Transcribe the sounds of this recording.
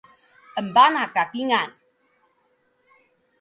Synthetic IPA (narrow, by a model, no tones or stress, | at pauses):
əmbanakakiŋan